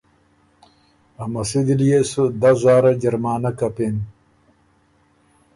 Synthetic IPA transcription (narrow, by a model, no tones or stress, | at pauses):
amɐsid̪iljesud̪azaːɾad͡ʑɐɾmaːnakapen